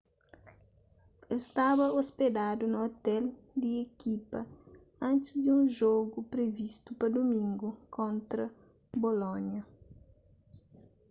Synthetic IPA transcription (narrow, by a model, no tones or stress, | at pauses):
elst̪aβɐosped̪ad̪unɐot̪ɛl | d̪iekipɐ | ɐ̃nt̪ɪzd̪iũnʒoɡupɾevist̪upɐd̪omĩŋɡukʰõnt̪ɾɐ | bolõɲɐ